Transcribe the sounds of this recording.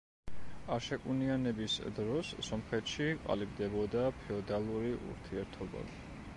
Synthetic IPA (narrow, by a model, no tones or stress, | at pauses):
aɾʃɛkʼunianɛbisd̪ɾɔsːɔmχɛt̪ʃiqʼa̰libd̪ɛbɔd̪apʰɛɔd̪alˠuɾiʔṵɾt̪ʰiɛɾt̪ʰɔba̰